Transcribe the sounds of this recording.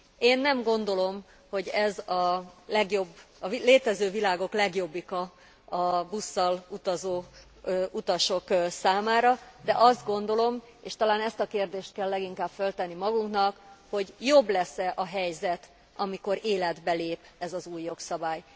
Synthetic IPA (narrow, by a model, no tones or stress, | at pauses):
eːnːɛmɡo̞n̪d̪o̞lo̞m | ho̞ɟɛzɒlɛɡjo̞bːɒleːt̪ɛzøːvilaːɡo̞klɛɡjo̞bːikɒː | busːɒlut̪ɒzoː | ʔut̪ɒʃo̞ksaːmaːɾɒd̪ɛʔɒzd̪ɡo̞nd̪o̞lo̞m | eːʃt̪ɒlaːnɛst̪ɒkeːrd̪eːʃt̪̚kɛlːɛɡiŋkaːbfø̞lt̪ɛnːimɒɡuŋknɒkho̞ɟjo̞blɛsɛʔɒɦɛjzɛt̪ | ʔɒmiko̞ɾeːlɛd̪bɛleːpɛzɒzuːjːo̞ksɒbaːj